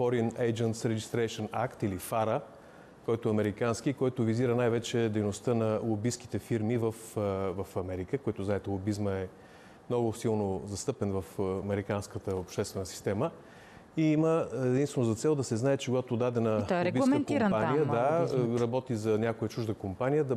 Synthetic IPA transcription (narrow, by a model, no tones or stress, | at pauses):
fɔɾinɛjd͡ʒənt̪sɾɛd͡ʒist̪ɾɛjʃənakt̪ilifaɾə | kɔjt̪ʊɛɐmɛɾikanskikɔjt̪ʊviziɾənajvɛt͡ʃɛd̪ɛjnost̪ənɐlˠobisk̟i̥t̪ɛfiɾmivəfvəfɐmɛɾikəkoɛt̪ʊznaɛt̪ɛlˠobizməɛ | mnɔɡʊsilˠnozɐst̪ɤpɛnvəfɐmɛɾikanskət̪əopʃt̪ɛst̪vɛnəsi̥st̪ɛmə | iiməɛd̪ĩnst̪vɛnoʊzɐt̪sɛlˠd̪ɐsɛznaɛt͡ʃɛɡoɡat̪od̪ad̪ɛnəɾɛbisɛnkimənpanijəd̪aɾɐbɔt̪izɐnʲakojət͡ʃuʒd̪əkompanijəd̪ɐ